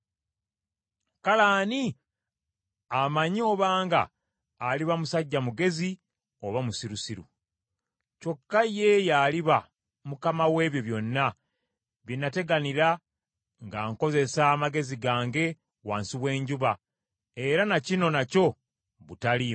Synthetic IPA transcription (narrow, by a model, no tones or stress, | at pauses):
kalaːni | amaɲo̞ːβaːŋɡa̰ː | liβamusaɟːamuɡe̞zi | o̞βamusiɾusiɾṵ | co̞kːaje̞jaːliβa | mukamawe̞ːβjo̞βjo̞nːa | βjinːate̞ɡaniɾa | ŋɡaːŋko̞ze̞saːmaɡe̞ziɡaːŋɡe̞ | waːnsiβwe̞ːɲɟuβa | e̞ɾanacino̞naco̞ | βutali